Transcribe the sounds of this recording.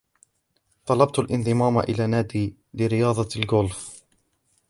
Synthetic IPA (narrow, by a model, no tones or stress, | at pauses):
t̪ˤɑlɑb̚t̪alʔɪnðˤɨmaːma̰ʔɪ̰laːnaːd̪iː | lɪɾɪjɑːðˤɑlɡʊlf